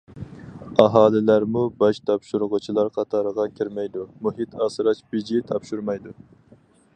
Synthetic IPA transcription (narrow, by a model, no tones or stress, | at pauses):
ɑɦɑːlɪlæɾmubɑʃt̪ʰɑpʃuɾʊʁʊt͡ʃʰilˠɑɾqʰɑt̪ʰɑɾəʁɑkʲʰiɾmɛjd̪umuɦit̪ʰɑːsɨɾɑt͡ʃbid͡ʒit̪ʰɑpʃuɾmɑjd̪u